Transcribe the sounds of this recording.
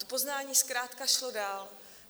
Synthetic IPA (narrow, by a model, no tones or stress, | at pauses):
t̪opo̞znaːɲiːskɾaːt̪kaʃlo̞daːl